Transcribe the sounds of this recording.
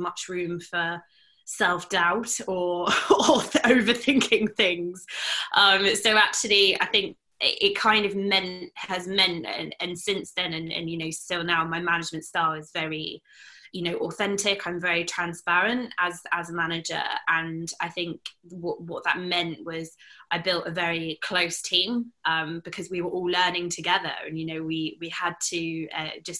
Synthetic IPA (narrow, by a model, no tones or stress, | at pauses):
mʌt͡ʃɹʉ̃ːɱfə | sɛlˠfd̥aʊtəɔlˠðiʔəʊvəθɪ̃ŋkʰɪ̃ŋθɪ̃ŋz̥ʔʌ̃mɪsəʊak̚t͡ʃul̩ˠia̰ɪθɪ̃ŋk̚ | ɪ̰ʔɪʔ̚kʰãɪ̃ndʌvmɛ̃nhəzmɛ̃ntə̰̃nə̰̃nsɪ̃nsðɨ̃nə̃nə̰̃njɨnəʊstɪlˠnaʊmaɪmanɪd͡ʒmə̃ntstɑːɹɪzvɛɹi | jɨnoʊʔɔθɛ̃ntɪkʰãɪ̃ɱvɛɹitʰɹ̥ãnspaɹə̃ntəzəzəmanɪd͡ʒə̰ə̃naɪθɪ̃ŋkwɒʔwɒʔðə̰ʔ̚mɛ̃nʔwɒz̥aɪbɪlˠtəvɛɹikʰl̥əʊstʰĩːmʔʌ̃mb̥ɪkʰɒzwiwə˞ʔɔːlɜːnɪ̃ŋtʰəɡɛðə̰ɹə̰̃njɨnoʊwiwiəd̚tʰəʌ̰d͡ʒʌs